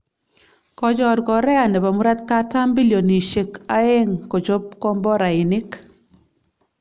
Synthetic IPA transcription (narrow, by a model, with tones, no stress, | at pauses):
kɔ˨d͡ʒɔ˨ɾɡɔ˨ɾɛ˦a˨nɛ˨ba˨mu˦ɾa˦t̪ka˦ta˦mbi˦ljo˨ni˨ʃe˨ka˦e˦ŋko˨t͡ʃo˦p̚kɔ˦mbɔ˦ɾa˨ɪ˨nɪ˦k